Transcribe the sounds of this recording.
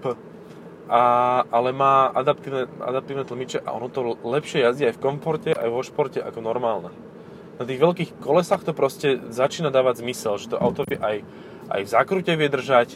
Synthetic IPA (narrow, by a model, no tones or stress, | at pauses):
pə | ʔaalɛmaːad̪ap̚t̪iːʊnɛa̰d̪ap̚t̪iːʊnɛt̪l̩mit͡ʃɛʔa̰ʔɔ̰nɔt̪ɔlɛpʃɪɛjazɟiajfkɔɱfɔɾcɛʔa̰jʋɔʃpɔɾcɛʔa̰kɔnɔɾmaːlnɛ | nat̪iːɣʋɛʎkiːxkɔlɛsaxt̪ɔpɾɔscɛzat͡ʃiːnad̪aːʋaɟzmisɛlʒɛt̪ɔʔa̰ʊt̪ɔʋɪjɛʔaj | ʔa̰jvzakɾucɛʋɪɛd̪r̩ʒac